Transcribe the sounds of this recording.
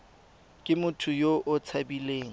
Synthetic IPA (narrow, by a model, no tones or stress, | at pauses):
kʼɪmʊtʰʊjoʔʊt͡sʰabileːŋ̩